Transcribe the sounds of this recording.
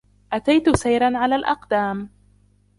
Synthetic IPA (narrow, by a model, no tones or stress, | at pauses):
ʔat̪ajt̪ʊsajɾanʕalaːlʔɑ̰qd̪aːm